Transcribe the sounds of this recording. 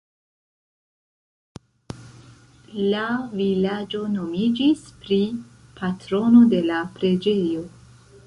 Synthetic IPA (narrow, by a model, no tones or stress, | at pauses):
lavilad͡ʒo̞no̞mid͡ʒispɾipʰatɾo̞no̞de̞lapɾe̞d͡ʒe̞jo̞